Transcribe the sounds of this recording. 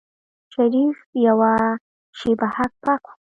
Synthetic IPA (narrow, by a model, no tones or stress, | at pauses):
ʃaɾifjawa | ʃibahak̚pakḁ